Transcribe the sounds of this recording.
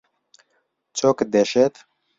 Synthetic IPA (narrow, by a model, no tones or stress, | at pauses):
t͡sʰokd̪ɛʃɛt̪